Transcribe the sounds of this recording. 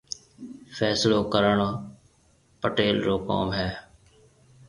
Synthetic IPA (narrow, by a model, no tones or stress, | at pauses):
fʰɛːsloːkəɾəɳoː | pəʈeːlɾoːko̰ːmɦɛː